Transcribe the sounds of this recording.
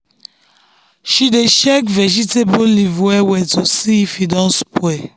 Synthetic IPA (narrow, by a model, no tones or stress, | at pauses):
ʃideʃɛkvɛd͡ʒitebolivwɛwɛtusifidɔ̃nspwɛ